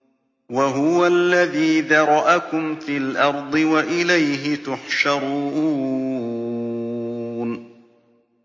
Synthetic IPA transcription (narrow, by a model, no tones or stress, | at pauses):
waɦʊwalːaðiːðɑɾˤʔakʊmfiːlʔɑɾˤd̪ˤɨwaʔɪlajɦɪt̪ʊħʃɑɾˤuːuː | n